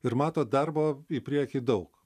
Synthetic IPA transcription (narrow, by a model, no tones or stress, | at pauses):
ɪɾmɑːt̪oːd̪ɐɾboːipʲɾʲiɛkʲiːd̪ɐʊk